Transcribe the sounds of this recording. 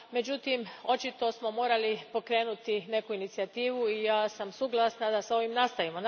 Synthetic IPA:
me̞d͡ʒut̪imo̞t͡ʃit̪o̞smo̞mo̞ːɾalipo̞kɾe̞ːnut̪ine̞kuinit̪siat̪iːʋuijaːsamsuɡlˠasnad̪asao̞ʋimnast̪aimon

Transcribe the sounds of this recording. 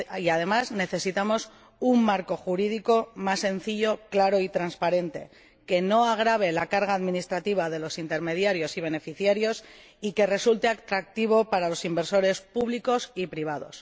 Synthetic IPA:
iaðe̞mazne̞θe̞sit̪amo̞s | umːaɾko̞xuɾiðiko̞masːe̞nθiʎo̞klaɾo̞it̪ɾanspaɾe̞nt̪e̞̰ | ke̞no̞aɣ̞ɾaβ̞e̞lakaɾɣaːðminist̪ɾat̪iβ̞aðe̞lo̞sint̪e̞ɾme̞ð̞jaɾjo̞siβe̞ne̞fiθjaɾjo̞s | ike̞re̞sult̪e̞akt̪ɾak̚t̪iβ̞o̞paɾalo̞simbe̞ɾso̞ɾe̞spuβliko̞sipɾiβ̞að̞o̞̰s

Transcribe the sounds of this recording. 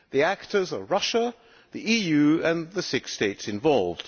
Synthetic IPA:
ðiæktʰə˞zəɹʌʃə | ðiʔijʉɨ̃nðɨsɪksteɪtsɨ̃ɱvɑlˠvd̥

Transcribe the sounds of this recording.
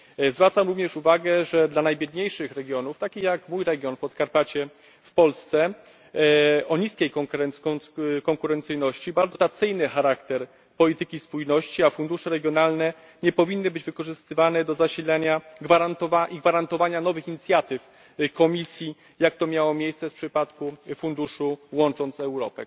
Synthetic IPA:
zvɾat̪samɾuvɲɛʂuvaɡɛʐɛd̪lanajbʲjɛd̪ɲejʂɘxɾɛɡʲjɔnuft̪akʲixjakmujɾɛɡʲjɔnpɔt̪kaɾpat͡ɕɛ | fpɔlst̪sɛ | ɔɲiskʲɛjkɔŋɾɛnkɔŋkuɾɛnt̪sɘjnɔɕt͡ɕibaɾd̪zɔt̪at̪sɘjnɘxaɾakt̪ɛɾ | pɔlʲit̪ɘkʲispujnɔɕt͡ɕiafund̪uʂɛɾɛɡʲjɔnalnɛ | ɲɛpɔvʲinːɘbɘd͡ʑvɘkɔʐɘst̪ɘvanɛd̪ɔzaɕilɛɲaɡvaɾant̪ɔvaʔiɡvaɾant̪ɔvaɲanɔvɘxiɲit̪sʲjat̪ɘf | kɔmʲisʲji | jak̚t̪ɔmʲjawɔmʲjejssɛfpʂɘpat̪kufund̪uʂuwɔnt͡ʂɔnt̪sɛwɾɔpɛ̰

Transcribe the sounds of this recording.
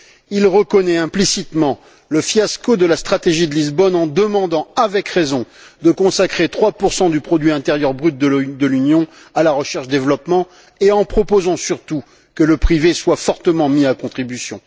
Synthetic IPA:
ilʁəkɔnɛɛ̃plisit̪mɑ̃ | ləfjaskod̪əlast̪χat̪eʒid̪əlizbɔnɑ̃d̪əmɑ̃d̪ɑ̃avɛkʁezɔ̃ | d̪əkɔ̃sakχet̪χwapuʁsɑ̃d̪ypχɔd̪ɥiɛ̃t̪ɛʁjœʁbʁyt̪̚d̪əd̪əlynjɔ̃ | alaʁəʃɛʁʃd̪evlɔpmɑ̃ | eɑ̃pχɔpozɑ̃syʁt̪u | kələpχiveswafɔʁt̪əmɑ̃miakɔ̃t̪χibysjɔ̰̃

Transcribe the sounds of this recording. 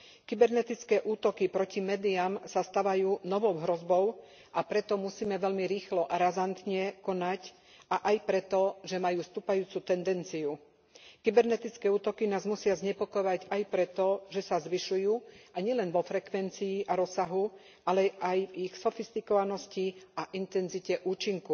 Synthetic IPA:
kibɛɾnɛt̪it͡skɛːʔuːt̪ɔkipɾɔcimɛːd̪iamsast̪aʋajuːnɔʋɔʊɦɾɔzbɔʊ | ʔapɾɛt̪ɔmusiːmɛʋɛʎmiɾiːxlɔʔaɾazant̪ɲɛkɔnac | ʔaʔajpɾɛt̪ɔʒɛmajuːst̪uːpajuːt͡sut̪ɛnd̪ɛnt͡siu | kibɛɾnɛt̪it͡skɛːuːt̪ɔkinaːzmusɪazɲɛpɔkɔjʋaɟajpɾɛt̪ɔʒɛsazʋiʃujuːʔaɲɪɛlɛnʋɔfɾɛkʋɛnt͡siːʔaɾɔsːaɦu | ʔalɛʔajvixsɔfist̪ikɔʋanɔsciʔaʔint̪ɛnzicɛʔuːt͡ʃiŋku

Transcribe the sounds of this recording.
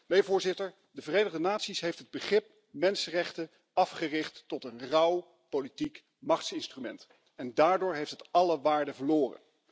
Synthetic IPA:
mejvʊːɹzɪtəɹ | dəvərejnəχdənaːtsisɦejftɦəd̚bəχrɪp̚ | mɛnsərɛχtə | ɑfχərɪχtːɔtənrʌw | politik | mɑχtsɪnstrymɛ̰nt | ɛndaːɹdʊːɹɦejftɦətɑləʋaːɹdəvəɹloːrə̰n

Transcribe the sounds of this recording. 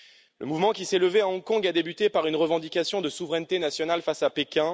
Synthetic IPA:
lʔə̰muvmɑ̃kʲisɛləveaɔ̃kɔ̃ɡad̪ebyt̪epaʁynʁəvɑ̃d̪ikʲasjɔ̃d̪əsuvʁɛnt̪enasjɔnalfasapekʲɛ̃

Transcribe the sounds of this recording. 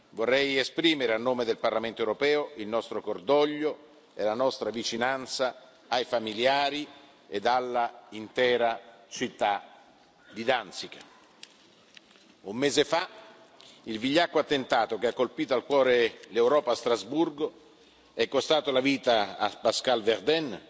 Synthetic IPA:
vorːɛjespɾiːmeɾeanːoːmed̪elparlament̪oewɾopɛːoilnɔst̪ɾokord̪ɔʎːo | elanɔst̪ɾavit͡ʃinant̪saː | jfamiljaːɾi | ed̪alːaint̪ɛːɾat͡ʃit̪ːa | d̪id̪ansikḁ | umːeːzefa | ilviʎːakːoat̪ːent̪aːt̪ok̟eakːolpiːt̪oalkwɔːɾelewɾɔːpaːst̪ɾazburɡo | ɛkːost̪aːt̪olaviːt̪aa̰paskalveɾd̪ɛn

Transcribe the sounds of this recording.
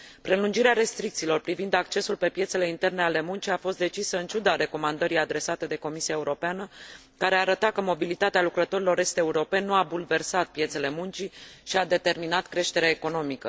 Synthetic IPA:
pɾe̞lund͡ʒiɾeaɾe̞st̪ɾik̚t̪siːlo̞rpɾivind̪ak̚t͡ʃe̞sulpe̞pjet̪se̞le̞int̪e̞rne̞ale̞munt͡ʃiafo̞st̪̚d̪e̞t͡ʃisəɨnt͡ʃud̪aɾe̞ko̞mand̪əɾijad̪ɾe̞sat̪ed̪e̞ko̞misiae̞uɾo̞peanə | kaɾe̞aɾət̪at̚kəmo̞bilit̪at̪ealukɾət̪o̞ɾilo̞ɾe̞st̪euɾo̞pe̞nːuabulve̞rsat̪̚pje̞t̪se̞le̞munt͡ʃiʃiad̪e̞t̪e̞rminat̪kɾe̞ʃt̪e̞ɾeaeko̞no̞mikə

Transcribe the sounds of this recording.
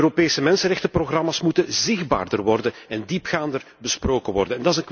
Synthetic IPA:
øɾopeːsəmɛnsənrɛxtəproxrɑmaːsmutənzɪɣdba̰ːrdərʋɔrdənɛndipxaːndər | bəsproːkənʋɔrdənɛndɑɪzənk

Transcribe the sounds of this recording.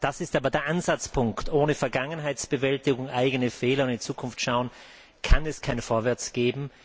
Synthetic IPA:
d̥asɪstaːbɐdeːɐʔanzat͡spʰʊŋktʔoːnəfɛɐɡaŋənɦaɪsb̥əvɛltɪɡʊŋʔaɪɡənəfɛːlɐʊ̃ntɪnt͡suːkʰʊnftʃaʊən | kʰanɛskʰaɪnfoːɐvɛɐt͡sɡ̥eːbm̩

